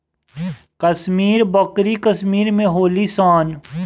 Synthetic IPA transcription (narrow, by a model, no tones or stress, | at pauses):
kəsmiːɾbɐkɾikəsmiːɾmẽɦoːlisaːn